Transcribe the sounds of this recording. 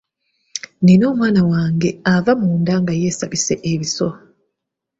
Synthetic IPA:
nino̞ːmwaːnawaːŋɡe̞avamuːndaŋɡaje̞ːsaβise̞ʔeβiso̞

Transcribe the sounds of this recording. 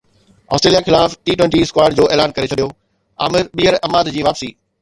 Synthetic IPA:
ɔ̰sʈɾeːlijaxɪlaːfʈiːʈwẽːɳʈiɪskwaːɪɖd͡ʑoːʔeːlaːnkɐɾet͡ɕʰɐɗijoː | a̰ːmɪɾɓiːɦəɾɐmaːd̪d͡ʑiːʋaːpsiː

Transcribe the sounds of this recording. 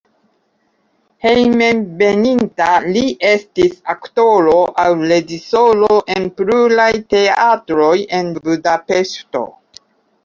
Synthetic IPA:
he̞jme̞mbe̞nintaliʔe̞stisakto̞ɾo̞ʔawle̞d͡ʒiso̞lo̞ʔenpɾulajte̞atɾo̞je̞nbudape̞ʃto̞̰

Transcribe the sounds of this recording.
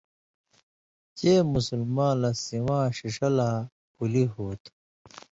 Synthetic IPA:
t͡ɕeːmusulmãːlɐsiwãːɕiʂɐla | puliɦuːt̪

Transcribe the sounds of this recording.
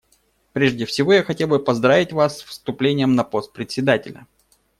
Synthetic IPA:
pɾʲeʐdʲɪfsʲɪvo̞jaxɐtʲelˠbɨpɐzd̪ɾavʲɪtʲvasfst̪ʊplʲenʲɪjəmnɐpo̞st̪̚pɾʲɪtʲsʲɪd̪atʲɪlʲə̰

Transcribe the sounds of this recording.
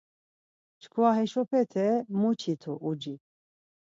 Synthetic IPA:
t͡ʃʰkʰuaɦɛʃɔpʰɛt̪ʰɛmut͡ʃʰit̪ʰuʔud͡ʒi

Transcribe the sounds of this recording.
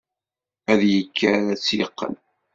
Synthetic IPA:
æðjəkːaɾæt͡sːjəqːə̰n

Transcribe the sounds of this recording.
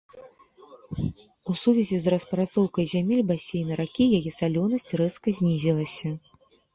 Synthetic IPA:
usuvʲɛzʲizrɐspɾat̪sɔwkɐjzʲamʲelʲbasʲejnɐɾakʲijajɛsalʲɔnɐsʲt͡sʲrɛskɐzʲnʲizʲilˠɐsʲɐ

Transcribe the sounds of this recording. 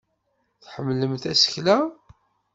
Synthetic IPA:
θħəmːləmθæsə̥çlæ

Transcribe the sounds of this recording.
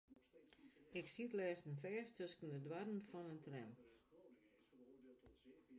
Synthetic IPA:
ɪksitlɛːsənfɛːstʰøskəndədwadənfɔnəntrɛm

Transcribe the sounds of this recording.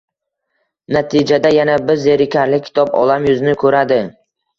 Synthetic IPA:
nat̪ʰɪd͡ʒad̪ajanabɪɾzːeɾɪkʲʰaɾlɪkʲʰːɪ̥t̪ʰɒbɒ̰lˠamjʊzɪnɪkʰɵɾad̪ɪ

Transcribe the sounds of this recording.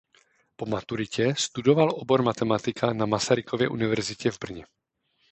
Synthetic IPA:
po̞mat̪uɾɪcɛst̪udo̞valʔobo̞ɾmat̪ɛmat̪ɪkʰanamasaɾɪkʰovjɛ̰ʔunɪvɛɾzɪcɛvbr̩ɲɛ

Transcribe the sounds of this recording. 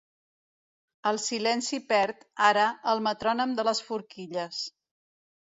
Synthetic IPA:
əlˠsilɛnsipɛɾt̪aɾəəlˠmət̪ɾɔnəmd̪ələsfuɾkiʎəs

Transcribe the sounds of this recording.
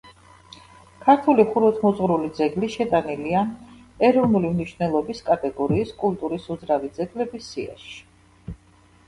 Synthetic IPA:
kʰaɾt̪ʰuliχuɾɔt̪ʰmɔzʼʁɾulid̪zɛɡliʃɛt̪ʼanilian | ɛɾɔvnulimniʃvwnɛlˠɔbiskʼat̪ʼɛɡɔɾiːskʼult̪ʼuɾisud̪zɾavid̪zɛɡlɛbisːia̰ʃi̥

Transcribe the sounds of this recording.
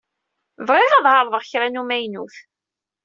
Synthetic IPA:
vreʁɑðˤhɑɾˤðˤəʁçɾænumæjnuθ

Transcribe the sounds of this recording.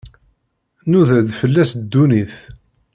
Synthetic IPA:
nuðæðfəlːæsd̪ːuniθ

